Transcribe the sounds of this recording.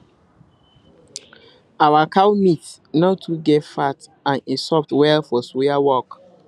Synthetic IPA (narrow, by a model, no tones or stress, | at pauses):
awakʰawmit | naʊtʰuɡɛtfat | ãnisɔp̚twɛlfɔswiawɔk